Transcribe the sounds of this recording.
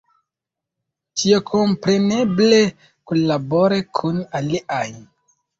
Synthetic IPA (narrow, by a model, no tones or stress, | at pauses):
tʰiokʰompɾe̞neble | kunllːaboɾekʰunaliʔaj